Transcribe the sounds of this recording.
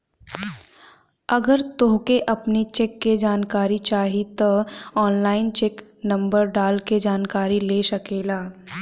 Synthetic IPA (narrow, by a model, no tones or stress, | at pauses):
ɐɡəɾt̪oːɦkeʔɐpnit͡ʃekːed͡ʒaːnkaːɾit͡ʃaːɦit̪oɔːnlaːɪnt͡ʃeːknɐ̃mbəɾɖaːlked͡ʒaːnkaːɾileːsɐkeːlaː